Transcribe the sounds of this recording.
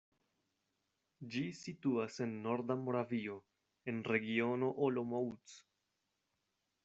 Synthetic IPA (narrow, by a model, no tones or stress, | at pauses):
d͡ʒisituase̞nːo̞ɾdamo̞ɾavio̞ | e̞nɾe̞ɡio̞no̞ʔolomout͡s